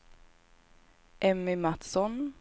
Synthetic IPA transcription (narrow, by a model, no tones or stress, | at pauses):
ʔɛmːɪmat̪sɔn